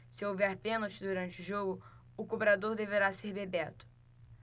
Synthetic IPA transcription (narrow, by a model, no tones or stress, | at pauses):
sɪowvɛɾpẽnowt͡ʃɪd̪uɾɐ̃nt͡ʃɪʊʒoɡʊ | ʊkobɾad̪oɾd̪eveɾaseɾbebɛt̪ʊ̥